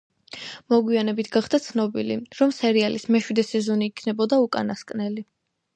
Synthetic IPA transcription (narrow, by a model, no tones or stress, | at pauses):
mɔɡwianɛbit̪ʰɡaχd̪at̪sʰnɔbilḭɾɔmsɛɾialismɛʃwid̪ɛsɛzɔniːkʰnɛbɔd̪aukʼa̰naskʼnɛli